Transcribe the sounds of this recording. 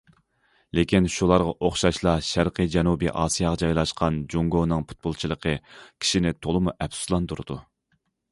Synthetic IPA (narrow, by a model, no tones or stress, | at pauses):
lekʲinʃulˠɑɾʁɑʔoχʃɑʃlˠɑʃæɾqɨd͡ʒɛnubḭʔɑːsijɑʁɑd͡ʒɑjlˠɑʃqʰɑnd͡ʒuŋɡonɨŋpʰu̥t̪̚bolˠt͡ʃʰilˠəqʰəkʲʰi̥ʃinɪt̪ʰolˠɨmuʔɛpsu̥slˠɑnt̪uɾɨd̪u